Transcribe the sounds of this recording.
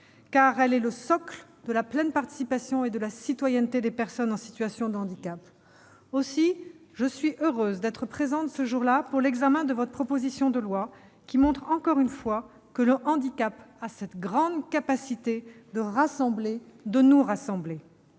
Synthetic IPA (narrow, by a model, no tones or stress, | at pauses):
kaʁɛlɛləsɔkld̪əlaplɛnpaʁt̪i̥sipasjɔ̃ed̪əlasit̪wajɛnt̪ed̪epɛʁsɔnɑ̃si̥t̪ɥasjɔ̃d̪ɑ̃d̪ikʲap | osiʒəsɥiʔøʁøzd̪ɛt̪χəpχezɑ̃t̪səʒuʁlapuʁlɛɡzamɛ̃d̪əvɔt̪χəpʰχɔpozisjɔ̃d̪əlwa | kʲimɔ̃t̪χɑ̃kɔʁynfwa | kələʔɑ̃d̪ikʲapasɛt̪ɡʁɑ̃d̪kapasit̪ed̪əʁasɑ̃bled̪ənuʁasɑ̃ble